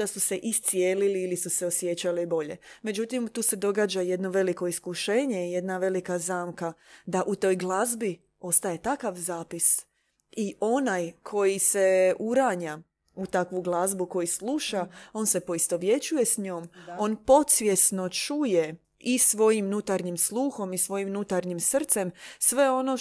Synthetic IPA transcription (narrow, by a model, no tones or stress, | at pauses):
d̪̥asuse̞ʔist̪sijeːliliːlisuse̞o̞sje̞t͡ɕalebo̞ʎe̞̰me̞d͡ʑut̪imt̪uːse̞d̪o̞ɡaːd͡ʑaje̞d̪no̞ʋe̞liko̞iskuʃe̞ːɲe̞ije̞d̪naʋe̞likazaːmkad̪aʔut̪o̞ːjɡlˠazbi | o̞st̪aje̞t̪akaʋzaːpis | iʔo̞najkʰo̞jise̞uɾaɲa | ut̪akʋuɡlˠazbuko̞jislˠuʃao̞nse̞po̞ist̪o̞ʋje̞t͡ɕuje̞sɲoːmo̞ːnpo̞t̪sʋje̞sno̞t͡ʃuje̞ | isʋo̞jimnut̪aɾɲimslˠuːxo̞misʋo̞jimnut̪aɾɲimsr̩t̪se̞msʋe̞o̞no̞